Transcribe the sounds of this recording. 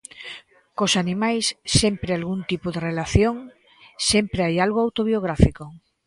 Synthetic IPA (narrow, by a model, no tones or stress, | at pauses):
kosanĩmajsːempɾealɣunt̪ipoðerelaθjoŋ | sempɾeajalɣoawt̪oβioɣɾafiko